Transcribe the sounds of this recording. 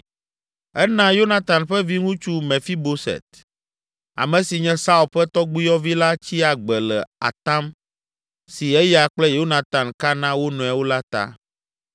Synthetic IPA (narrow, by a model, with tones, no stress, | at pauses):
ɛ˦nã˦jo˦na˨t̪a˨nɸɛ˦vi˦ŋũ˦t͡ʃu˦mɛ̃˨fi˦bo˦sɛ̰˨t̪̚ | a̰˨mɛ̃˨si˨ɲɛ̃˦sa˦u˨lɸɛ˦t̪ɔ˦ɡ͡bi˦jɔ˦vi˦la˦t͡ɕi˦a˨ɡ͡bɛ˨lɛ̰˨a̰˨t̪ã˦m | si˨ɛ˦ja˨k͡plɛ˦jo˦nã˨t̪ã˨nka˦nã˦wo˦nũ˨ɛ˨wo˦la˦t̪a̰˦